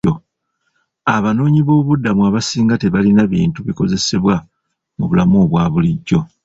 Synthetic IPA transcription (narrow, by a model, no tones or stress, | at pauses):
o | aβano̞ːɲiβo̞ːβudːamuaβasiːŋɡate̞βalinaβḭːntuβiko̞ze̞se̞βwa | muβulamo̞ːβwaːβuliɟːo̞